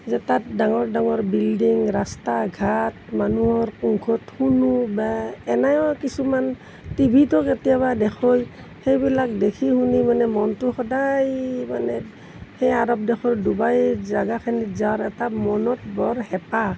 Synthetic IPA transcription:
zɛtat̚daŋɔɹdaŋɔɹbildiŋɹastaɡʱatmanuɔɹkuŋkʰɔthunubaɛnajɔkisuman | tibʱitɔketijaβadɛkʰoj | hejbilak̚dekʰihunimanɛmɔntʊxɔdajmanɛ | hejaɾɔp̚dɛxʰɔɹdubajzaɡakʰanizaɔɹɛtamɔnɔt̚bɔɹhɛpa

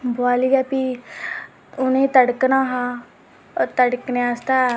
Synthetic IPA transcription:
boaliɡapi | ʊnet̪əɽknaɦa | t̪əɽkneast̪a

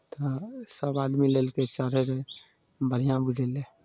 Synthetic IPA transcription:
t̪ɔsəbad̪milelkesəɾeɾe | bʱəɾ̤ijãbud͡ʒʱele

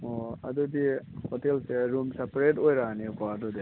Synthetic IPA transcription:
ɔa̰dɔdihɔtelseɾumsapɾetojɾanikɔadɔdi

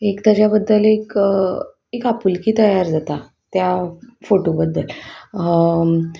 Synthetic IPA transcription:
ekt̪jat͡ɕjabəd̪ːəlek | ekapulkiːt̪əjaɾd͡zat̪a | t̪jafoʈobəd̪ʱːəl

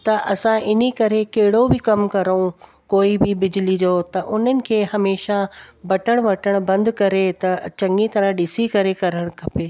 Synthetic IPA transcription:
t̪ɐʔɐsãʔɪn̤ikɐɾekɐɦɪɽobɪkɐmkɐɾõ | koːibɪbɪd͡ʑɪlid͡ʑoːt̪ɐʔʊn̤ənɪ̆kʰeːɦɐmeːʃabɐʈəɽ̃ʋɐʈʰəɽ̃bɐ̃nd̪kɐɾet̪ɐt͡ɕɐ̃ŋɡĩt̪ɐɾə̃ɗɪsikɐɾekɐɾəɽ̃kʰɐpeː

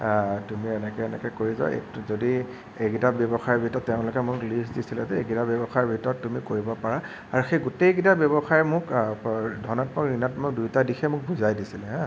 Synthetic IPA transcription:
tumiɛnɛkɛɛnɛkɛkoɹizɔ̰ɛ̰zodi | ekitabjebɔxaɹbʱitɔtːeʊ̃lʊkɛmʊklisdisilɛtɛḛɡitabjebɔxaɹbʱitɔɹɔtːumikoɹibɔpaɹa | aɹuxejɡutejk̬itabebɔxajmʊk | dʱɔnɔt̚pɔɹinatmɔk̚dujtadixʰɛmʊk̚bʱuzajdisilɛɦɛ̃

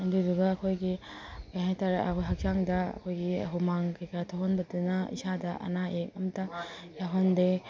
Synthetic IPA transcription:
ɐduduɡɐːkʰojɡi | kajɦajtaɾɦak̚zaŋdɐɐ̰kʰojɡiɐ̰ɦumaŋkajkaɾtʰoɦonbɐdunɐḭsadɐʔɐ̰naʔek̚ɐmɐtːɐjaɦonde

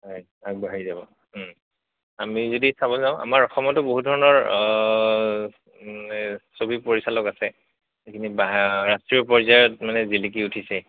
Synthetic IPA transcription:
ɦɔj | ak̚baɦijzabɔ | amizodisabɔlzãʊ̃ʔa̰maɹɔxɔmɔtʊboɦudʱɔɹɔnɔɹ | nɛsobipoɹisalɔkasɛ | ekʰinibaɹastɹiɔpɔɹzajaɔtmanɛzilik̬iutʰisɛ

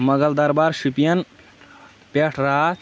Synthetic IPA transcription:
mɐɡɐld̪ɐɾbaɾʃupijɐn | peʈʰɾa

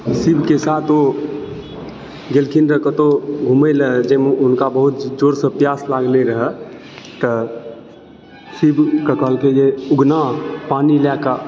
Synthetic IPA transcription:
sibʱkesaːt̪ʰo | ɡelkʰinɾəkət̪oɡʱuməjləd͡ʒemeʊnkabəɦʊt̪d͡ʒoːɾsəpjaːslaːɡleɾəɦɛ | t̪ə | sibʱkəkəlkejeʊɡnapaːnilɛka

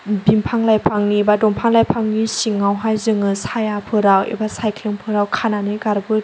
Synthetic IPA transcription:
bimpʰaŋlajpʰaŋnibadɔmpʰaŋlajpʰaŋnisiŋːawɦajzɯŋɯsajapʰɯɾawḭbasajkʰliŋpʰɯɾawkʰananeɡaɾbɯ

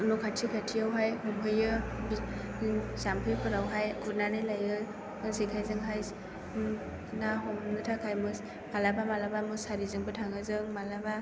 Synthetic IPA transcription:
nɔkʰatʰikʰatʰiawɦajhɔmɦʰɯjɯbi | sampʰɯjpʰɯɾawɦajkʰut̚nanɯlajɯ | ɯsikʰajzɯŋɦajs | naɦɔmnɯtʰakʰajmɯs | malabamalabamɯsaɾizɯŋbɯtʰaŋɯzɯŋmalaba

